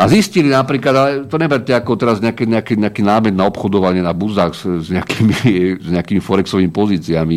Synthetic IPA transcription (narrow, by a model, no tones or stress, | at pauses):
aziscilinapɾiːklad̪alɛt̪ɔɲɛbaɾ̚tɛakɔt̪ɛɾazɲɛakɛɲɛakɛɲɛakiːnaːmɛd̪naɔpxɔd̪ɔʋaɲɪɛnabuzaːɣzzɲɛakiːmiɛzɲɛakiːmifɔɾɛksɔʋiːmipɔziːt͡siami